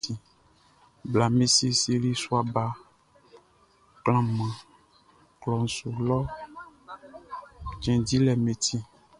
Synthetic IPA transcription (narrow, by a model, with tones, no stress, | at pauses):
i˨ | bla˨me˦si˦si˨li˦su˦a˨ba˨˦ | klã˨mã˨ | klɔ˨n˨su˨lɔ˦ | t͡ʃɛ̃˨di˦lɛ˨me˨t̪ʰi˦